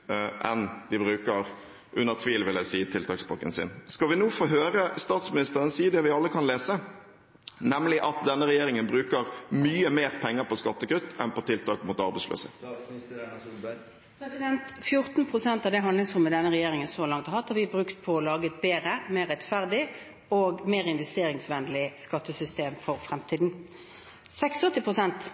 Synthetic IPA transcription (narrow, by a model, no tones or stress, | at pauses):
ʔɛ̰nd̪̥ɪbʁʉːkəɾ | ʔʉnːəʁt̪ʰʋiːlʋɪlæsiːt̪ʰɪlt̪ʰɑːksbɑkːə̰nsɪ̰nskɑʋɪnuːfoːɦøːʁəst̪ɑːt̪smɪnɪst̪əʁənsiːd̪ɛʋɪɑlːəkʰɑnleːsə | nɛmlɪʔɑt̪̚d̪ɛnːəɾɛjeːʁɪŋənbɾʉːkəʁmyːəmeːɾpʰɛŋːəpʰɔskɑt̪ːəkʰɾʉt̪ːɛnpɔt̪ʰɪlt̪ʰɑ̰ːkmʊt̪ɑʁbɛɪslø̰ːsə̰ | pɾɛsɪd̪ɛnt̪fjʊʁt̪n̩pʰʁʊsɛnt̪ɑʋd̪ɛɦɑnlɪŋsʁʊmːəd̪ɛnːəʁɛjeːʁɪŋənsɔlɑŋt̪ɑʁhɑt̪hɑʁʋɪbʁʉkt̪̚pʰɔɔlɑːɡət̪̚beːʁəmeːʁːɛt̪fæʁd̪ɪ | oːɡmeːʁɪnʋɛst̪eːɾɪŋsʋɛnd̪lɪskɑt̪ːəsʏst̪eːmfɔʁfʁɛmt̪ʰiːd̪n̩ | sɛksɔt̪ːɪpʰʁʊsɛnt̪